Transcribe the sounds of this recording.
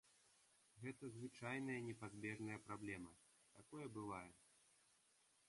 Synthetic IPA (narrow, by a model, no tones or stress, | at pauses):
ɣɛt̪ɐzvɨt͡ʂajnɐjɐnʲɛpazʲbʲɛʐnɐjɐpɾablʲɛmɐ | t̪akɔjɐbɨvajɛ